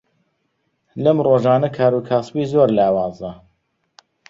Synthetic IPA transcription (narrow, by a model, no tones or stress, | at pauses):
lɐmroːʒaːnɐkʰaːɾuːkʰaːsbiːzoːɾlaːwɑːzɐ